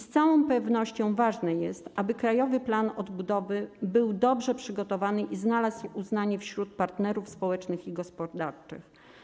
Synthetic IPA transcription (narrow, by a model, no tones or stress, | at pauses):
st̪sawɔ̃w̃pɛvnɔɕt͡ɕɔ̃w̃vaʐnɛjɛst̪abɘkɾajɔvɘplanɔd̪bud̪ɔvɘbɘwd̪ɔbʐɛpʂɘɡɔt̪ɔvanɘʔiznalasuznaɲɛfɕɾut̪̚paɾt̪nɛɾufspɔwɛt͡ʂnɘxiɡɔspɔd̪aɾt͡ʂɘ̰x